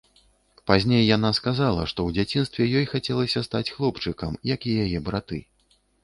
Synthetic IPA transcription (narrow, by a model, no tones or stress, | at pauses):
pazʲnʲejːan̪askazalˠɐʂt̪ɔwd͡zʲat͡sʲin̪st̪vʲɛjɔjxat͡sʲɛlˠɐsʲɐst̪at͡sʲxlˠɔpt͡ʂɨkɐmjɐkijajɛbɾat̪ɨ̰